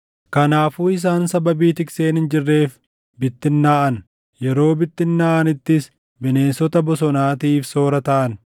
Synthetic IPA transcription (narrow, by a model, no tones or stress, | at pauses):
kɐnaːfuːɪs̬aːnsɐbɐbiːt̪ɪkse̞ːnɪnd͡ʒɪrːe̞ːf | bɪt̪ːɪnːaːʔɐn | jɛɾo̞ːbɪt̪ːɪnːaːʔɐnɪt̪ːɪs | bɪne̞ːnsɔt̪ɐbɔsɔnaːt̪iːfso̞ːɾɐt̪ɐʔɐn